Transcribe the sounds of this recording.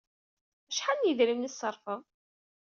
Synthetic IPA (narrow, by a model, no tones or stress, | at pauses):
æʃħanjəðɾimnisəɾˤfəm